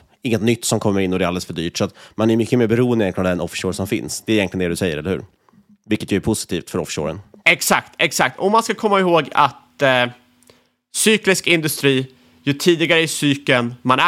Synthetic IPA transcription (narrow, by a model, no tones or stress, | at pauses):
ɪŋːət̪nʏt̪ːsɔmkʰɔmːəɾɪnːɔd̪ɛɾald̪ələsfœɖy̰ːʈsɔat̪manæɾjmʏkːəmeːɾbɛɾuːənd̪əɛnlnavd̪ɛnɔfʂoːɾsɔmfɪ̰nsd̪ɛːɪɛnlɪəɛd̪sɛjːəɾɛlːɾhʉ̟ːɾ | vɪlkət̪jœːɾpʰʊsɪ̥t̪ʰiːft̪fœɾɔ̰fɪ̥ʂo̰ːɾə̰nɛksakt̪ɛksak̚t̪ʰɔmanskakʰɔmːaɪhoːɡa̰t̪ | syːklɪskɪnd̪ɵst̪ɾiː | jɵt̪ʰiːd̪ɪɡaɾəɪsyːkənmanæ